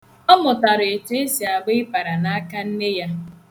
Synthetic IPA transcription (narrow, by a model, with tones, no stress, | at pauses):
ɔ˦mʊ˨ta˨ɾe˨te˦e˦si˨a˨ɡ͡bɪ˦ɪ˦pa˨ɾa˨na˦a˦ka˦n̩˦ne˦ja˦